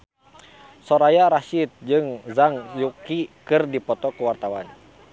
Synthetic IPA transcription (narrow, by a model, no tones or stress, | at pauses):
sɔɾajaɾaʃit̪̚d͡ʒɨŋzaŋjukikɨrdipɔt̪ɔkuwart̪awa̰n